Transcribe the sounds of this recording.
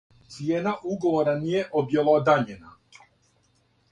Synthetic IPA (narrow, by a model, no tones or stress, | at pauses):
t̪sijeːnaʔuɡo̞ʋo̞ɾanije̞ʔobjelˠaod̪aʎena